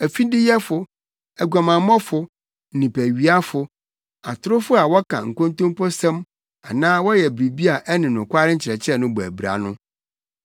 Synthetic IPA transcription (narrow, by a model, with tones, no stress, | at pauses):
æ˨fi˦dɪ˦jɛ˦fʊ˨ | æ˨ɡʷa˨mã˨˦mɔ̃˦fʊ˨ | n̩˨nĩ˨pʰæ˨ɥi˦a˦fʊ˨ | a˨tʰʊ˦ɾʊ˦fʊ˦a˨wɔ˦kʰã̰˨ŋ̩˨kõ˦n˦tʊ̃˦mpʰɔ˦sɛ̃˦m | a̰˨nãː˦wɔ˦jɛ˨bɾi˨bi˦a˨ʔɛ˦nɪ̃˨nʊ̃˨kʷʰa˦ɾɪ˦ɲ̩˦t͡ɕʰɪ˨ɾɛ˨t͡ɕʰɪ˦ɛ˦nʊ̃˦bɔ˨æ̰˨bɾa̰˨nʊ̃˦